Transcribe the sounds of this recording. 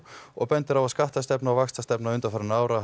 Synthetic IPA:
ɔɣpɛnt̪ɪɾawaðskaht̪ast̪ɛpnaɔvaxst̪ast̪ɛpnaʏnt̪afaɾɪnaːwɾa

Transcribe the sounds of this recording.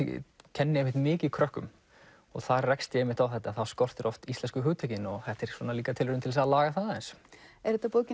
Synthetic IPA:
cʰɛnːɪɛhvɪht̪mɪːcɪðkʰɾœhkʏ̰m | ɔ̰ɣθaɾrɛkst̪jɛɛmɪht̪awθɛht̪ːaθawskowr̥t̪ɛɾʔɔft̪ist̪ɛnskʏɦʏːt̪ʰacɪnɔɣθɛht̪ɛɾ̥swɔːnaliːkat̪ʰɪlvɪɾʏmt̪ʰɪls̬aðalaːɣaθaaðɛnsɛɾ̥hɛt̪ːapoːwcɪ

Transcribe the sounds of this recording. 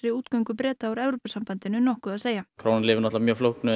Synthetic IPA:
ɾɪuːt̪kaɥŋkʏpɾɛːt̪aawɾɛvɾopasampant̪ɪnʏnɔhkʏðaðseːjakʰɾaːwnɪnlɪːvɪɾnɔt̪lamjœːɣflowknʏ

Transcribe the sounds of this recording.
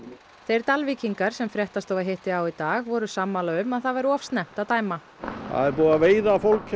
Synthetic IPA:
θejɾ̥t̪alviciŋkaɾ̥sɛmfɾjɛht̪ast̪ɔvaɦeht̪ɪawit̪aːɣvɔɾʏsamːalaʏmːaðθavajɾɔfst̪nɛm̥t̪awt̪aːjma | a̰ðɛɾpɔːwaveːjðaːfolk

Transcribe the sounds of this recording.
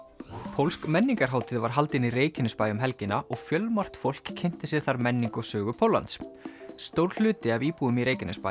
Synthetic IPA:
pʰowlskmɛnːiŋkaɾ̥ɦaːwt̪ɪðvaɾ̥ɦal̪t̪ɪnireːjcɪnʏspaːjʏmɦɛlcɪnaʔɔɣfjœlmar̥t̪fowl̥kʰːɪn̥t̪ɪsjɛɾ̥θaɾmɛnːiŋkɔsœːɣʏpʰowlːa̰nt̪sst̪owɾlʏːt̪ɪaviːpuʏmiɾejcɪnʏspa̰

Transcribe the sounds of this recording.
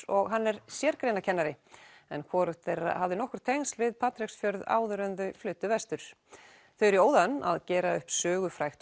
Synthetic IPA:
ɔɣɦanːɛɾsjɛɾkɾeːjnacʰɛnːaɾɪɛ̰nkʰvɔːɾʏht̪ɛɾ̰havðɪnɔhkʏɾ̥t̪ʰejŋnst̪vɪðpʰaːt̪ɾɪksfjœɾða̰ːwðʏɾœnðʏflʏːt̪ʏvɛst̪ʏɾ̥ | θœɥjɾioːwðana̰ðcɛːɾaʏhpsœːɣʏfɾajxt̪

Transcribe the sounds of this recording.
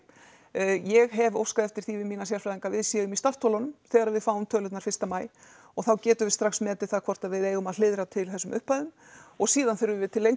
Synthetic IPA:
jɛɣɦɛvo̰wskaðɛft̪ɪɾ̥θivɪmiːnasjalfajðiŋkavɪðsjɛðʏmist̪aft̪ʰoɔlanʏmθɛːɣaɾaðvɪðfaːwʏmt̪ʰœːlʏt̪naɾfɪ̥st̪amaːj | ɔɣθawcɛːt̪ʏvɪst̪ɾaxsmɛːt̪ɪlθaðkʰvɔr̥t̪aðvɪðeːjɣʏmaðlɪðɾat̪ʰɪlθɛsʏmʏ̰hpajðʏm | ɔɣsiːðanθɛɾʏvɪðt̪ʰɪlːejŋ

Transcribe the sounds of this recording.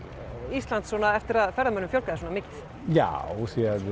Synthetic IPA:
ist̪lant̪sɔːnaɛft̪ɪɾaðfɛɾðamœnːʏmfjɔlkaðɪs̬ɔːnamɪːcɪθ | ja̰wsiað

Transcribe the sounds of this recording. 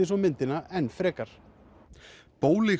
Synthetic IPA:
ɪsɔmɪnt̪ɪnaɛnːfɾɛːkaɾ̥ | poːwlɪ

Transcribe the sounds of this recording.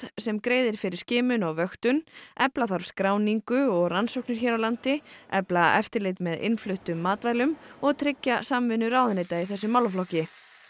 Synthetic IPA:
sɛmkɾeːjðɪɾ̥fɪɾɪ̥scɪːmʏnɔɣvœxt̪ʏnʔɛplaθaɾv̥skɾaːwniŋkʏɔɣransowknʏɾ̥çɛɾawlant̪ɪɛplaɛ̰ft̪ɪɾlɪt̪mɛðɪ̰nflʏht̪ʏmːaːt̪vajlʏmɔɣt̪ʰɾɪcːasamvɪnːʏɾaːwðnɪt̪aiθɛsːʏmawlflɔhcːɪ

